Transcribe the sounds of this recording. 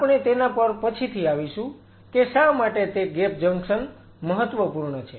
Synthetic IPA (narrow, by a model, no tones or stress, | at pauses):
apɳ̃et̪enapəɾpət͡ʃʰit̪ʰiaʋiʃũ | keʃãmaʈet̪eɡepd͡ʒəŋkʃən | məɦət̪ːʋəpuɾɳət͡ʃʰe